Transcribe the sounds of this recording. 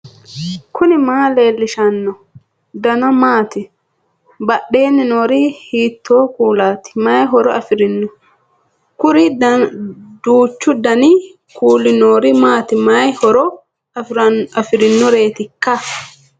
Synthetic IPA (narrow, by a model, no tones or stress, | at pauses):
kʊnɪmaːle̞ːlːɪʃɐnːɔ | d̪ɐnɐmaːt̪ɪ | bɐɗːe̞ːnɪnoːɾɪhiːt̪ʰːoːkuːlaːt̪ɪ̥majɦɔɾɔɐfɪɾɪnːʊ | kʊɾɪ | d̪uːt͡ʃːʊd̪ɐni | kʰuːlɪnoːɾɪmaːt̪ɪmajhɔɾɔ | ɐfɪɾɪnːʊɾe̞ːt̪ɪkːɐ